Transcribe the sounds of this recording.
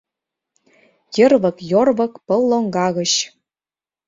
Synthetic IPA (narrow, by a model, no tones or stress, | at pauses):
jə̆rβɤ̆kjorβɤ̆kpɤ̆lˠːoŋɡɑɣɤ̆ɕ